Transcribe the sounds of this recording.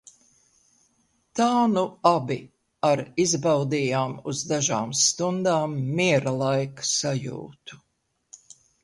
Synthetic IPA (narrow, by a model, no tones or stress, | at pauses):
t̪aːnuabi | aɾizbawd̪iːjaːmuzd̪aʒaːmst̪und̪aːmːiɛɾalˠajksajṵːt̪u̥